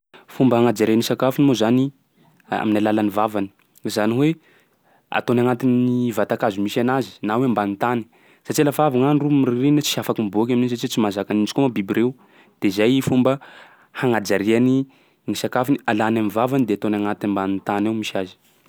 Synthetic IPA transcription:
fumbəɦaŋad͡ʒaɾianisakafunimozani | a̰minalalanivavani̥ | zaniwe | a̰t̪onaŋat̪iniivat̪akazimisanazi̥nawembanit̪ani̥ | sat͡ʃialafavaŋanrumiririnət͡si̥afakimibuak̬ʲamininisat͡ʃit͡simazakanint͡ʃikomabibireu | d̪̥ezajfumbə | haŋad͡ʒaɾiani | ŋisakafunialanamivavanid̪eat̪onaŋat̪iimbanit̪anawmisazi̥

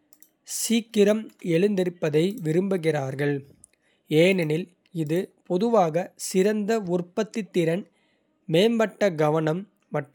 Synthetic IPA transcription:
siːkːɪɾɐmɛɭɯnd̪ɪɾɯpːɐðɐɪʋɪɾɯmbɯɣɪraːɾɣɐɭ | eːnɐnɪl | ɪðɯpɔðɯʋaːɣɐsɪɾɐnd̪ɐʊrpɐt̪ːɪt̪ːɪɾɐn | meːmbɐʈːɐɡɐʋɐnɐmː | ɐʈː

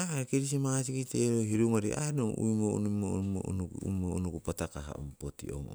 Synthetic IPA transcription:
akiɾis̬imasikiteɾoɦiɾuŋoɾianoŋṵjmoṵnumoo̰nukṵmounukupatakaɦa̰ṵmpotḭo̰mo̰

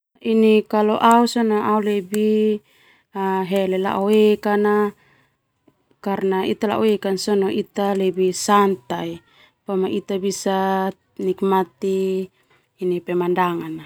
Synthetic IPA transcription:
inikaloʔausɔnoaulɛbi | aɦɛlɛla̰ʔowekana | karnait̪ala̰ʔoekansɔnoʔit̪alɛbisant̪ai | pamaʔit̪abisa | nikmat̪iː | nipɛmandaŋana

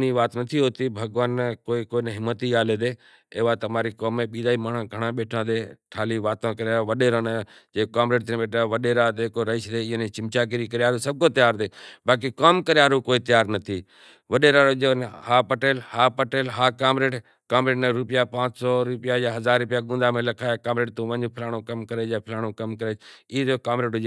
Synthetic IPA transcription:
niːʋaːt̪nət̪ʰiːɦoːt̪iːbʱəɡʋaːnkoːiːkoːinɦɪmːət̪iːaːleːd̪eː | eːʋaːt̪əmaːɾiːkoːmːẽːɓiːd̪aːiːmaːɳãːɡʱəɽãːɓeːʈʰãːd̪eːʈʰaːliːʋaːt̪ãːkəɾjaːɾoːʋəɗeːɾãːned͡ʒeːkaːmɾeːʈt̪ːñːɓeːʈʰãʋəɗeːɾaːd̪eːkoːɾəɪʃd̪ẽːnẽːt͡ʃɪmt͡ʃaːk̬ɪɾiːkəɾɪjaːɾoːsəb̚koːt̪əjaːɾd̪eːɓaːk̬ikaːmkəɾɪjaːɾoːkoːiːt̪ɪjaːɾnət̪ʰiː | ʋəɗeːɾaːɾod͡ʒoːnhaːpəʈeːlhaːpəʈeːlɦaːkaːmɾeːʈ | kaːmɾeːʈnəɾʊpɪjaːpãːt͡ʃsɔːɾʊpɪjaːjaːɦəzaːɾːʊpɪjaːɠũːnd̪aːmẽːlɐkʰaːjaːkaːmɾeːʈ̚t̪õːʋə̃ɲopʰɪlaːɽ̃õːkəmkəɾeːaːpʰɪlaːɽ̃õːkəmkəɾeːɪːd͡ʒoːkaːmɾeːʈʊ

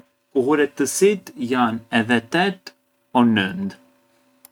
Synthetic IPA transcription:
kuhuɾɛt̪ːəsit̪janɛðɛt̪ɛt̪ | ɔnʉnd̪

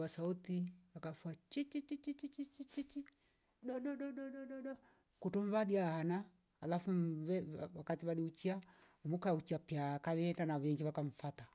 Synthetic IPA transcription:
wasautiwakafuat͡ʃit͡ʃit͡ʃit͡ʃit͡ʃit͡ʃit͡ʃit͡ʃit͡ʃi | ɗɔɗɔɗɔɗɔɗɔɗɔɗɔ | kutɔmβadiahanaː | lafuβɛwakatiβaliut͡ʃia | umukaut͡ʃiapiakaβɛɛndanaβɛŋɡiβakam̩fata

